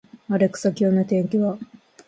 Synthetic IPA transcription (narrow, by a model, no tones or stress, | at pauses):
aɾe̞kɯ̟̥sakʲoːnot̪ẽ̞ŋkʲiβa